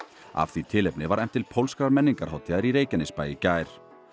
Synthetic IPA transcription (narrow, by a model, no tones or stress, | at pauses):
a̰fθit̪ʰɪlejpnɪvaɾɛm̥t̪ːɪlpʰowlskɾaɾmɛnːiŋkaɾ̥hawt̪ʰɪaɪɾiɾeːjcanɪspaːjɪcaːjɾ̥